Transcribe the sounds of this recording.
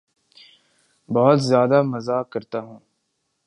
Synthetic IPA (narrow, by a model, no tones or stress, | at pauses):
bɐɦʊt̪zjaːd̪amɐzaːkɐɾt̪aːɦũː